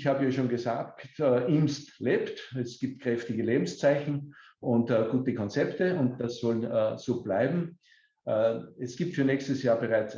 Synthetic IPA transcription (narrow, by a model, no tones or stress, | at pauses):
çhaːbəjaːʃoːnɡəzaːktːʔɪmstleːptɛsɡ̥iːp̚t̚kʁ̥ɛftɪɡəleːbm̩st͡saɪçn̩ | ʔʊntːɡ̥uːtəkʰɔnt͡sɛptəʊnt̚d̥asːɔlənːz̥oːb̥laɪbm̩ | ʔːɛsɡ̥iːp̚tfyːɐnɛːçstəsjaːɐbəʁaɪt͡s